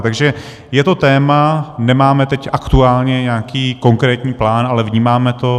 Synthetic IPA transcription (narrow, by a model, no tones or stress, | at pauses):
t̪aɡʒɛ | jɛt̪o̞t̪ɛːmanɛmaːmɛt̪ɛcʔakt̪uaːlɲɛɲakiːko̞ŋkɾɛːt̪ɲiːplaːnʔalɛvɲiːmaːmɛt̪o̞